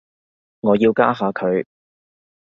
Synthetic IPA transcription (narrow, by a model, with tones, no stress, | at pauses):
ŋɔː˨˧jiː˧wka̰ː˥ɦaː˨˧kʰɵ˨˧ɥ